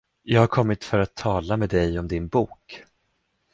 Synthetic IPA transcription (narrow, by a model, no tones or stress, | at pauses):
jɑːɡhaɾkʰɔmːɪt̪fœɾat̪ʰːɑːlameːd̪ɛjɔmd̪ɪnbuːk